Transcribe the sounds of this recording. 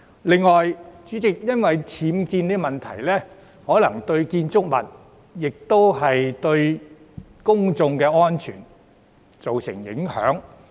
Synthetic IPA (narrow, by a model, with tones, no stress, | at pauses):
lɪ˨ŋːɔː˨jt͡syː˨˥t͡sɪ˨k̚jɐ˥nwɐ˨jt͡sʰiː˨˥mkiː˧niː˥˧mɐ˨˩nt̪ʰɐ˨˩jlɛː˥ | hɔː˨˥lɐ˨˩ŋt̪ɵ˧ɥkiː˧nt͡sʊ˥k̚mɐ̰˨˩n̚ | jɪ˨k̚t̪o˥wɦɐ˨jt̪ɵ˧ɥ | kʊ˥ŋt͡sʊ˧ŋkɛː˧ɔː˥nt͡ʃʰy̰ː˨˩n | t͡so˨wsɪ̰˨˩ŋjɪ̰˨˥ŋhœ̰ː˨˥ŋ